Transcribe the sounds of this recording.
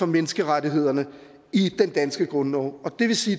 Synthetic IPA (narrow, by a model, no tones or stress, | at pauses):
ɒ̽menəsɡ̥əʁadiɦe̝ð̞̰ˠɐnə | id̥end̥ænsɡ̥əɡ̥ʁɔ̽nɒ̰ʊɒ̽d̥e̝ʋe̝siː